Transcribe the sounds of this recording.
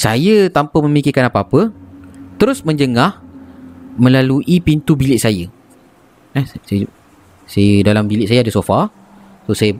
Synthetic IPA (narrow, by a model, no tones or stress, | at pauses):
sajət̪ampəmə̃mikɪkanapaapət̪əɾʊsmə̃ɲd͡ʒəŋah | mə̃laluʔipint̪ubilɪʔsajə | ɛsa | sajədalambilɪʔsajəadəsofa | sosajə